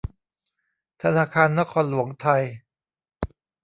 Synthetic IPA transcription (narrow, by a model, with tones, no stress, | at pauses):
t̪ʰa˧naː˧kʰaː˧nːa˦˥kʰɔː˧nlu˩˦əŋt̪ʰa˧j